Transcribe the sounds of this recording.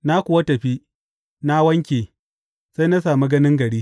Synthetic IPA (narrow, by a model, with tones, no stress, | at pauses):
na˦kʷʊ˨wa˦tɐ˨ɸi˦ | na˦wɐ˦ŋkʲeː˨ | sa˦jna˦saː˨mi˦ɡɐ˦nɪ˦ŋɡɐ˨ɽiː˦